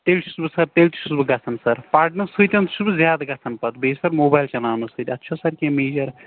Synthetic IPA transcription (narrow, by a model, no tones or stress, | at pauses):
t̪elt͡ʃʰi̥subsɐɾt̪elt͡ʃisubɡɐt͡sʰɐnsɐɾpaːɾʈnɐsɨt̪ʲɐnt̪subzʲjaːd̪ɡɐt͡sʰɐnpɐt̪bʱesɐɾmoːbajlt͡ʃɐnaːwnɨsɨt̪ʲɐt̪ːt͡ʃʰɐsɐɾkemeːd͡ʒɐɾ